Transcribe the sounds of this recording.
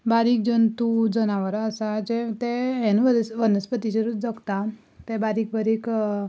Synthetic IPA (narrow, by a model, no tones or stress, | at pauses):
baɾik̚d͡ʑənt̪ud͡zənaʋəɾəsad͡ʑet̪eenʋəʋənəspət̪iɕəɾud͡zəkt̪a | t̪ẽbaɾik̚bəɾik